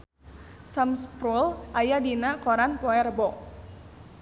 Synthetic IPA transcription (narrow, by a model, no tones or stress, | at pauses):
samspɾulʔajadinakɔɾanpɔɛrbɔʔ